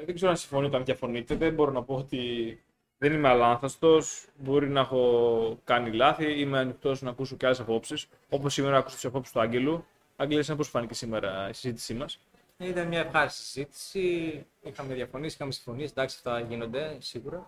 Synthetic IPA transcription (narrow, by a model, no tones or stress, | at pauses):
ðeɡze̞ɾonɐsiɱfo̞nit̪ɐnðʝɐfo̞nit̪et̪ebo̞ɾo̞nɐpo̞ot̪i | ðenimeɐlɐnθɐst̪o̞sbo̞ɾinɐexo̞kɐnilɐθiimeɐnikt̪o̞snɐkus̬o̞ceɐlesɐpo̞psis | o̞po̞sːimeɾɐɐku̥sot̪isɐpo̞psu̥st̪uɐɲɟe̞lu | ɐɡliisɐmposfɐnicesime̞ɾɐisizit̪i̥simɐs | it̪ɐnmɲɐefxɐɾisizit̪i̥si | ixɐmɐðʝɐfo̞niesi̥xɐmesi̥ɱfo̞niesnd̪ɐksɐ̥ft̪ɐʝino̞nd̪e̞siɣuɾɐ